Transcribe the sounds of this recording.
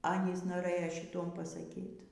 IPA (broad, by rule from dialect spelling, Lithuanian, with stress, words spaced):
ˈɑːnʲiːs noːˈrɘjoː ʃʲɪˈtuɔm pɐsɐˈkʲiːt